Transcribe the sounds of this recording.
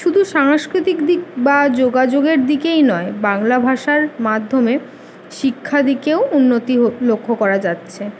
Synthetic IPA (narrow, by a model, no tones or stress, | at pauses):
ʃud̪ʱuʃaŋʃkɾit̪ikd̪ik̚bad͡ʑoɡad͡ʑoɡeɾd̪ikejnɔebaŋlabʱaʃaɾmad̪ʱːome | ʃikʰːad̪ikeounːot̪iɦolokʰːokɔɾad͡ʑatːɕʰe